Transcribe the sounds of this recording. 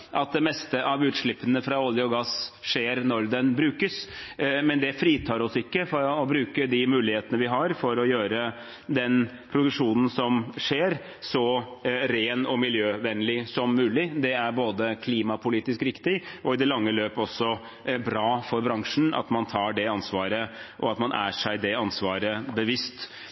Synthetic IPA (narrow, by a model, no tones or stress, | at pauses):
ʔɑt̪̚d̪ɛmɛst̪əʔɑʋʉːt̪ʂɭɪpːənəfɾɑɔljəɔɡɑsʂeːɾnɔɾd̪ɛnbɾʉːkəsmɛnd̪ɛfɾiːt̪ʰɑːɾɔsɪkːəfɔɾɔbɾʉːkəd̪ɪmʉːlɪheːt̪ənəʋɪɦɑɾfɔɾɔjøːɾə | d̪ɛn | pʰɾʊd̪ʉkʂuːnən̩sɔmʂeːɾ | sɔɾeːnɔmɪljøːʋɛnlɪsɔmːʉːlɪd̪ɛæɾboːd̪əkʰliːmɑpʰʊliːt̪ɪskɾɪkt̪ɪʔɔɪd̪ɛlɑŋːəløːpɔsːɔ | bɾɑːfɔɾbɾɑŋʂɳ̩ɑ̰t̪mɑnt̪ʰɑːɖɛɑnsʋɑːɾəʔɔɑt̪mɑnʔæ̰ʂæɪd̪ɛɑnsʋɑːɾəbəʋɪst̪